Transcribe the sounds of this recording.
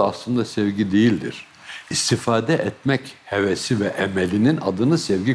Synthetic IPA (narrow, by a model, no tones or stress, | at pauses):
aslˠɯnd̪asɛvɟid̪e̞jilʲd̪ḭɾ̥ | ist̪ʰifaːd̪ɛʔɛt̪mɛchevɛsivɛʔɛmɛlʲinina̰d̪ɯnɯsɛvɟi